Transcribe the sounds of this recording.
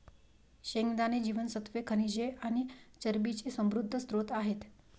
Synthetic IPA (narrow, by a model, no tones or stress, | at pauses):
ɕeŋɡd̪aned͡ʑiʋənsət̪ʋekʰənid͡ʑeañit͡ɕəɾbit͡ɕisəmɾud̪ʱːəst̪ɾot̪aɦet̪